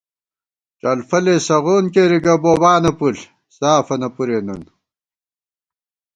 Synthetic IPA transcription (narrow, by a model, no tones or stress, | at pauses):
ʈ͡ʂɐlfɐlesɐʁoːnkeɾiɡɐboːbaːnɐpul | saːfɐnɐpuɾenun